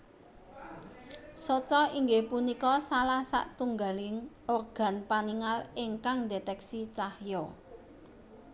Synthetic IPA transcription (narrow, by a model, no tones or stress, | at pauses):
sot͡ʃɔiŋɡehpunikɔsalahsa̰ʔt̪uŋɡalɪŋ | orɡ̥ä̤npaniŋalɪŋkaŋdet̪ɛksit͡ʃahjɔ